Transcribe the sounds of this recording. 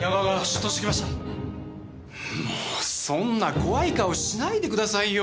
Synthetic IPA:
jaβaɡaɕot̪ːoɕit̪ekʲimaɕt̪a | moːsõ̞nːako̞βaikao̞ɕinaid̪e̞kɯ̟d̪asaijo

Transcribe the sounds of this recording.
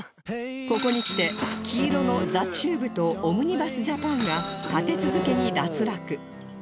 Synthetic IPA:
ko̞ko̞ɲ̟ikʲi̥t̪e̞kʲʰiːɾo̞no̞d͡zat͡ɕɨːbɯ̟t̪o̞ːmɯ̟ɲ̟ibasɨʑapãŋɡat̪at̪e̞t͡sɨzɨke̞ɲ̟id̪at͡sɨɾakɯ̟

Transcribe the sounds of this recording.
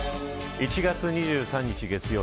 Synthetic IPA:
it͡ɕiɡat͡sɨɲ̟iʑɨːsãɲ̟ːit͡ɕiɡe̞t͡sɨjoː

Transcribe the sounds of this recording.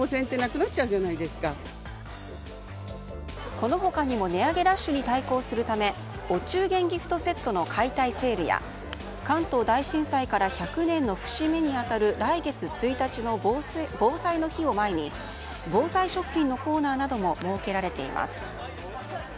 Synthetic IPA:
osẽ̞nt̪ːe̞nakɯ̟natːt͡ɕaɯ̟ʑanaid̪e̞sɨ̥ka | ko̞no̞ɦo̞kaɲ̟imo̞ne̞aɡe̞ɾaɕːɨɲ̟it̪aiko̞ːsɨɾɯ̟t̪ame̞ | o̞t͡ɕɨːɡẽ̞ŋɡʲiɸɯ̟̥t̪o̞se̞t̪ːo̞no̞kʰait̪aise̞ːɾɯ̟ja̰ | kãnt̪o̞ːd̪aiɕĩɰ̃saikaɾaçakɯ̟nẽ̞nːo̞ɸɯ̟̥ɕime̞ɲ̟iat̪aɾɯ̟ɾaiɡe̞t͡sɨt͡sɨit̪at͡ɕino̞bo̞ːsaino̞çio̞maeɲ̟i | bo̞ːsaiɕo̞kɯ̟̥çĩnːo̞ko̞ːnaːnad̪o̞mo̞mo̞ːke̞ɾaɾe̞t̪e̞̰ḭmʔa̰sɨ̥

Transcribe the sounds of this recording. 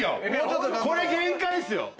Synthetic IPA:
jo̰ko̞ɾeɡẽŋkaisɨjo̰

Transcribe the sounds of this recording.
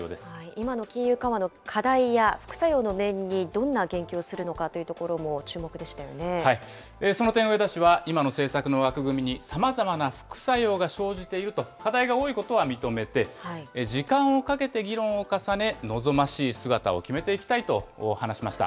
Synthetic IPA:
oːd̪e̞sɨ̥aiimano̞kʲĩɰ̃jɯ̟ːkãβano̞kʰad̪aijaɸɯ̟̥kɯ̟̥sajo̞ːno̞mẽ̞ɲ̟ːid̪õ̞nːaɡẽ̞ŋkʲo̞ːsɨɾɯ̟no̞kat̪ːo̞jiɯ̟t̪o̞ko̞ɾo̞mo̞t͡ɕɨːmo̞kɯ̟d̪e̞ɕi̥t̪ajo̞̰ne̞hai | eso̞no̞t̪ẽ̞ɰ̃oed̪aɕiβaimano̞se̞ːsakɯ̟no̞βakɯ̟ɡɯ̟mʲiɲ̟isamazamanaɸɯ̟̥kɯ̟̥sajo̞ːɡaɕo̞ːʑit̪e̞iɾɯ̟t̪o̞kad̪aiɡao̞ːiko̞t̪oβamʲit̪o̞me̞t̪e̞aiʑikãɰ̃o̞kake̞t̪e̞ɡʲiɾõ̞ɰ̃o̞kasane̞no̞zo̞maɕiːsɨɡat̪a̰o̞̰kʲime̞t̪e̞ikʲi̥t̪ait̪o̞hanaɕimaɕi̥t̪a̰

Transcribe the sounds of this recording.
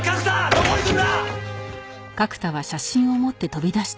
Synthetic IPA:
ɡ̥akɯ̟̥t̪aβaɕaɕĩɰ̃o̞mo̞t̪ːe̞t̪o̞bʲid̪aɕi̥t̪

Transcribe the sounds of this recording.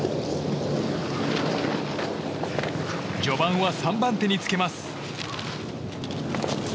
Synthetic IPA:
d͡ʑo̞bãɰ̃βasãmbãnt̪e̞ɲ̟it͡sɨ̥ke̞masɨ̥

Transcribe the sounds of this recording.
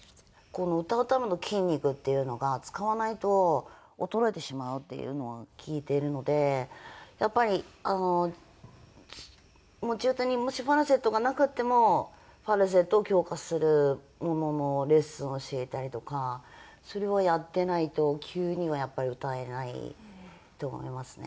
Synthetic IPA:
ko̞no̞ɯ̟t̪aɯ̟t̪amano̞kʲʰĩɲ̟ʲːikɯ̟t̪ːe̞jɯ̟no̞ɡat͡sɨ̥kaβanait̪o̞ | ot̪o̞ɾo̞e̞t̪e̞ɕimaɯ̟t̪ːe̞̰jɯ̰no̞ɡakʲʰiːt̪e̞ɾɯ̟no̞d̪e̞ | japːaɾʲiano̞ | mot͡ɕiɯt̪aɲ̟imo̞ɕiɸaɾɯ̟se̞t̪ːoɡanakɯ̟t̪ːe̞mo̞ | ɸaɾɯ̟s̬e̞t̪ːoːkʲo̞ːkasɨɾɯ̟ | mo̞no̞no̞ɾe̞sɨoɕie̞t̪aɾʲit̪o̞ka | so̞ɾe̞βajat̪ːe̞nait̪o̞kʲʰɯːɲ̟iβajapːaɾʲiɯ̟t̪ae̞naḭ | t̪o̞̰ːmo̰imasɨ̥ne̞̰

